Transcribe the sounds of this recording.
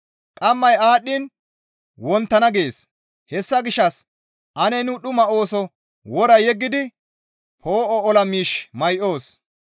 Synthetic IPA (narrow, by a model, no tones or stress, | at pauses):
kʼɐmːɐjaːɗːɪn | wɔnt̪ːɐnɐɡe̞ːs | hɛsːɐɡɪʃːɐs | ʔɐnɛnʊɗʊmɐo̞ːsɔ | wɔɾɐjɛɡːɪd̪ɪ | hoːʔɔɔlɐmiːʃmɐjʔo̞ːs